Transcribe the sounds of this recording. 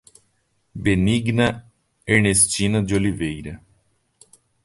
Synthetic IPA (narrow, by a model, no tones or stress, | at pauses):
beniɡnɐ | eɾnest͡ʃĩnɐd͡ʒɪolivejɾɐ